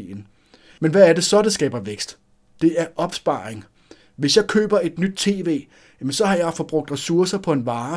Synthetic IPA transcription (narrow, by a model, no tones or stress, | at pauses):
ḭn̩ | menʋææɐde̝sɒ̽d̥esɡ̥ɛ̰ːb̥ɐʋeɡ̥sd̥ | d̥e̝æɐʔɒ̽b̥sb̥ɑ̰̈ːʁeŋ | ʋe̝sjɑ̈ɪkʰø̰ːb̥ɐe̝d̥nyd̥̚t͡sʰe̝̰ːʋe̝̰ː | jæmensɒ̽ɦɑ̈jɑ̈ɪfɒ̽b̥ʁɔ̽ɡ̥̚d̥ʁɛsuɐsɐpʰɒ̽e̝nʋɑ̈ː